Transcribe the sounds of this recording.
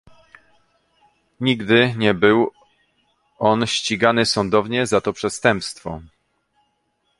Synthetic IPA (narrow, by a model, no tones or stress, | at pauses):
ɲiɡd̪ɘɲɛbɘw | ɔnɕt͡ɕiɡanɘsɔnd̪ɔvɲɛzat̪ɔpʂɛst̪ɛmpst̪fɔ̰